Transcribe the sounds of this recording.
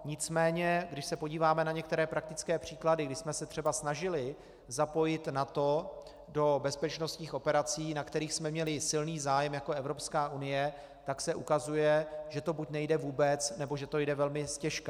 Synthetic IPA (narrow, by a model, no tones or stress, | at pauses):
ɲɪt͡smɛːɲɛɡdɪʃsɛpo̞ɟiːvaːmɛnaɲɛk̚t̪ɛɾɛːpɾak̚t̪ɪt͡skɛːpr̝̥iːkladɪɡdɪsmɛsɛt̪r̥ɛbasnaʒɪlɪ | zapo̞jɪt̪nat̪o̞ | do̞bɛspɛt͡ʃnost̪ɲiːxʔo̞pɛɾat͡siːnakt̪ɛɾiːxsmɛmɲɛlɪsɪlniːzaːjɛmjako̞ɛvɾo̞pskaːʔunɪjɛ | t̪aksɛʔukazujɛʒɛt̪o̞bucnɛjdɛvuːbɛt͡snɛbo̞ʒɛt̪o̞jdɛvɛlmɪscɛʃka